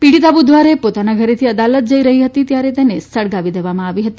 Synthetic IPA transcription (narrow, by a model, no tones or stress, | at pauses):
piɽit̪abud̪ʱʋaɾepot̪anaɡʱəɾet̪ʰiəd̪alət̪̚d͡ʒəiɾəɦiɦət̪it̪jaɾet̪enesəɽɡaʋid̪eʋamãaʋiɦət̪i